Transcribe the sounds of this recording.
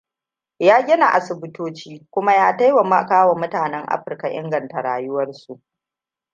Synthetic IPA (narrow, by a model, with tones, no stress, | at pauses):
jaː˦ɡʲɪ˦na˨ʔa˨sɪ˨bʊ˦toː˦t͡ʃiː˦kʷʊ˦ma˦jaː˦ta˦jwa˨ma˦kaː˦wa˨mʊ˦taː˨nɛ˦ŋʔa̰˦ɸɪ˨rka˨ʔɪ̰˦ŋɡɐ˨nta˨ɽaː˨jʊ˦wɐ˦rsu˨ʔ